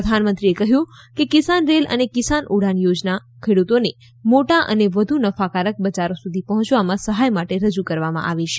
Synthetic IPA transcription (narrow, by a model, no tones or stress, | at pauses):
əd̪ʱanmənt̪ɾiekəɦjũkekɪsanɾelə̰nekɪsanʔuɽ̤anjod͡ʒna | kʰeɽut̪one | moʈaʔə̰neʋəd̪ʱunəfakaɾək̚bəd͡ʒaɾosud̪ʱipəɦɔ̃t͡ʃʋamãsəɦajmaʈeɾəd͡ʒukəɾʋamã̰ʔaʋiʃe̥